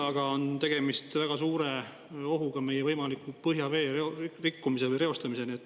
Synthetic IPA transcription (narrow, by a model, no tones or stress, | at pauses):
ɑɡ̥ɑo̞nt̪e̞ɡ̥e̞mist̪væɡ̥ɑsuːɾe̞ | o̞ɦuɡ̥ɑme̞jevɤjmɑlikːupɤɦjɑve̞ːeorikːumise̞vɤjre̞o̞st̪ɑmise̞niet̪ːˑ